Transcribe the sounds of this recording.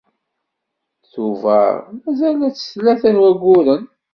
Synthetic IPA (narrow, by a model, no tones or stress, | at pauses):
θuvæ̰ɾmæzælæt͡sːə̥slæθænwæɡːʊɾən